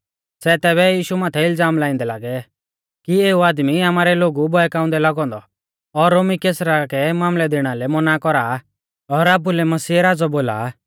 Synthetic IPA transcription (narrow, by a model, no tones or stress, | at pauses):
sɛt̪ɛːβɛjiːʃumãːt̪ʰɛɪld͡zaːmlãːĩnd̪ɛlaːɡɛ | kieːuaːd̪miamaːɾɛloːɡubɔɛkãːʊ̃nd̪ɛlaɡɔ̃ːnd̪ɔ | ɔɾːoːmikeːsɾakɛmaːmlɛd̪eːɽ̃alɛmɔnakɔɾaː | ɔːɾaːp̬ulɛmɐsiːɛɾaːd͡zɔboːla̰ː